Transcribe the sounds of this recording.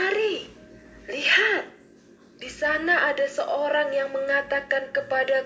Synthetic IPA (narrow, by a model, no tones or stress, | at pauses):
aɾi | lihat̪̚ | disanaʔadasəʔoɾaŋjaŋməŋat̪akankəpada